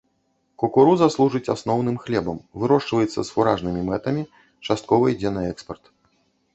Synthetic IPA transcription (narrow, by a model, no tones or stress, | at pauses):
kɔkuɾuzaslˠuʐɨt͡sʲasnɔwnɨmxlʲɛbɐmvɨɾɔʂt͡ʂvɐjɛt̪sːɐsfuɾaʐnɨmʲimɛt̪ɐmʲi | t͡ʂast̪̚kɔvɐid͡zʲɛnɐɛkspɐrt̪